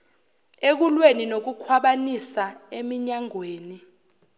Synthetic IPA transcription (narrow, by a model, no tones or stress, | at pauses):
ek̬ulweninok̬ukʰwaɓanisaemiɲaŋweːni